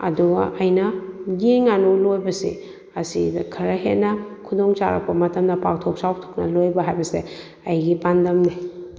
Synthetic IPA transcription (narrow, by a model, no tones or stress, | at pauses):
ɐ̰duɡɐ̰ʔɐjnɐɡeŋanulojbɐsḭ | ɐsidɐkʰɐɾɐɦet̚nɐkʰudoŋt͡ʃa̰ɾa̰k̚pʰɐmɐtɐmdɐpawtʰok̚saw̚tʰo̥k̚nɐ̰lojbɐɦajbɐse | ɐjɡibandɐmni